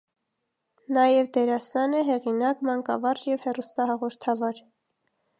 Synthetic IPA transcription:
nɑjɛvd̪ɛɾɑsɑnəɦɛʁinɑkmɑŋkɑ̰vɑrjɛvhɛrust̪ɑhɑʁɔɾt̪ʰɑvɑɾ

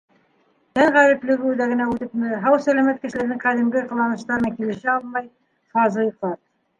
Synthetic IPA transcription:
t̪æɴʁæɾɘ̆plɘ̆ɡud̪æɡɘ̆næʉt̪ɘpmɘɦɑwsælæmæt̪̚kɘ̆ʃɘ̆læɾd̪ɘŋqæðĭmɡɘqɤ̆lˠɑnɤ̆ʃt̪ɑɾmækilɘ̆ʃɘɑlˠmɑj | fɑzɤjɤ̆qlˠɑt̪̚

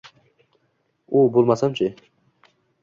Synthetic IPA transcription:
ubolˠmasamt͡ʃʰɪ

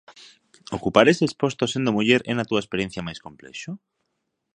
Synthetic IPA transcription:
okupaɾesespost̪osend̪omuʎeɾenat̪uaespeɾjen̟θjamajskomplḛʃo

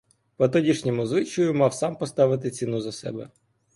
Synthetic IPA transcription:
pɔt̪̬ɔdʲiʃnʲɔmʊzʋɪt͡ʃɔjʊmɑwsɑmpɔst̪ɑʋɪt̪ɪt͡sʲinuzɐsɛ̰bɛ̰

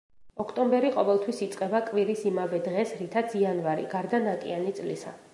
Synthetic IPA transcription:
ɔkʰt̪ʼɔmbɛɾiqʼɔvɛlˠt̪ʰwisit̪sʼqʼɛbakʼviɾisimavɛd̪ʁɛsɾit̪ʰat̪sianvaɾḭɡaɾd̪anakʼḭanit̪sʼlisa̰

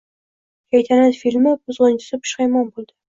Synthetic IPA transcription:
kʲʰajt̪ʰanat̪filʲmɪbʊzʁɨnt͡ʃʰɪ̥sɪpʰʊ̥ʃχajmɒnbolˠd̪ɪ

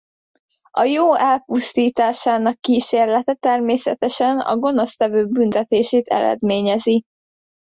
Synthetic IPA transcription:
ɒjoːɛlpust̪iːt̪aːʃaːnɒkːiːʃeːrlɛt̪ɛt̪ɛrmeːsɛ̰t̪ɛʃɛnɒ̰ɡo̞no̞st̪ɛvøːbynt̪ɛt̪eːʃeːt̪ʰɛ̰ɾɛ̰d̪meːɲɛzi

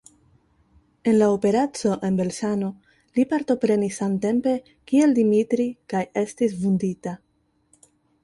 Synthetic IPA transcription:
e̞nlaope̞ɾat͡so̞ʔe̞nbe̞lsano̞ | lipaɾto̞pɾe̞nisante̞mpe̞ | kie̞ldimitɾikaje̞stisvundita

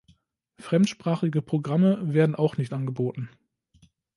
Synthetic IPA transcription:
fʁ̥ɛmtʃpʁ̥aːχɪɡəpʁ̥oɡʁaməveːɐdn̩ʔaʊxnɪçtʔanɡəboːtn̩

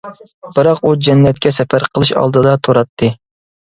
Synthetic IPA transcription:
b̥ɨɾɑqud͡ʒɛnːɛt̪̚kʲɛsɛpʰæɾqʰəlˠɨʃɑ̰lˠd̪ɨd̪ɑt̪ʰoɾɑt̪ʰːɨ

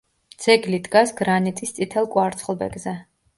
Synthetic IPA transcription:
d̪z̥ɛɡlid̪ɡasɡɾanit̪ʼist̪sʼit̪ʰɛlˠkʼwaɾt̪sχlˠbɛ̰ɡzɛ

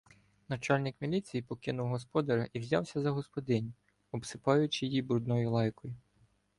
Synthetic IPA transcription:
nɐt͡ʃɑlʲnʲɪkmʲilʲit͡sʲijipɔkɪnʊwɦɔspɔd̪ɐɾɐʔiwzʲɑ̰wsʲɐzɐɦɔspɔd̪ɪnʲ | ɔbsɪpɑjʊt͡ʃɪjijibɾud̪nɔjʊlˠɑjkɔjʊ

